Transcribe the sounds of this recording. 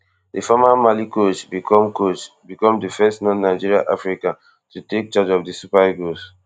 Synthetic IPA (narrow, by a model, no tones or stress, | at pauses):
difamamalikot͡ʃbikʰɔ̃mkot͡ʃ | bikɔ̃mdifɛstnɔnaɪd͡ʒiɹia̰ʔafɹikã | tutek̚t͡ʃad͡ʒɔfdisupaɡos